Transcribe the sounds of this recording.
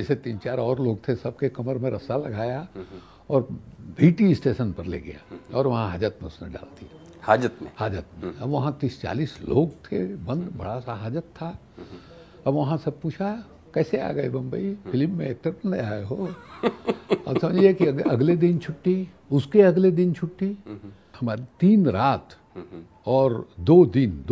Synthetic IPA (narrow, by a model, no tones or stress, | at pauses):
ɪset̪iːnt͡ʃaːɾɔːɾloːɡ̚t̪ʰesɐb̚kekɐməɾmẽɾɐsalɐɡʱaːja | ɔːɾbʱiːʈiɪsʈeːʃənpɐɾlḛɡɐ̰ja̰ɔːɾʋɐɦãɦaːd͡ʒət̪mẽʊsnḛ̃ɖa̰ːlt̪i | haːd͡ʒət̪mḛ̃haːd͡ʒət̪̚mẽɐbʋɐɦãt̪iːst͡ʃa̰ːliːslo̰ːɡt̪ʰḛbɐ̃nd̪bɐ̰ɽasaɦaːd͡ʒət̪ʰːa | ɐbʋɐɦãsɐb̚puːt͡ʃʰa | kɛːsea̰ːɡɐebɐ̃mbəifʰɪlmːẽeːk̚ʈəɾpəleaːeɦo | ɔ̰ːɾsɐmd͡ʒiekiɐɡled̪ɪnt͡ʃʰʊʈːi | ʊskeɐɡled̪ɪnt͡ʃʰʊʈːi | hɐmaːɾit̪iːnɾaːt̪ | ɔːɾd̪oːd̪ɪnd̪